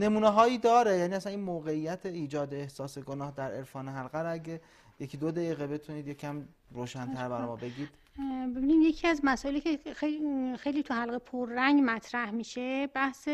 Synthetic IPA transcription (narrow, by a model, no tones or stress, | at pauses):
ne̞muːneɦɒːiːd̪ɒːɾejæniːæsæniːnmoːɣe̞ijːæt̪ʰeiːd͡ʒɒːd̪eːhsɒːseɡonɒːhd̪æɾe̞ɾfɒːneɦælɣæɾæɟe | jecʰiːd̪od̪æɣiːɣebe̞t̪ʰuniːd̪jecʰæm | ɾoːʃænt̪ʰæɾbæɾɒ̰ːjmɒːbe̞ɡʲiːd̪̥ | be̞binid̪jecʰiæzmæsɔːʔelicʰexexejliːt̪ʰuhælɣepʰoɾːæŋɡmæt̪ʰɾæhmiːʃebæhse